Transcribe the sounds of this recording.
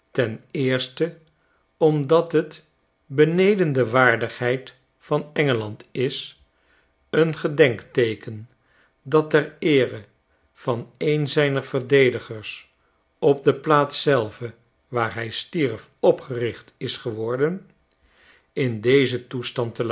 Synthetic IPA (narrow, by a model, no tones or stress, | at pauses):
tɛnɪːɹstə | ɔmdɑtɦət | bənejdəndəʋaːɹdəχɦɛjt | fɑnɛŋəlɑntɪs | ənχədɛŋktejkən | dɑtɛɹɪːrə | v̥ɑnejnzɛjnəɹv̥əɹdejdəχəɹs | ɔb̚dəplaːtsɛlˠvə | ʋaːɹɦɛjstirfɔpχərɪχtɪsχəʋɔɹdən | ɪndejzətustɑntəl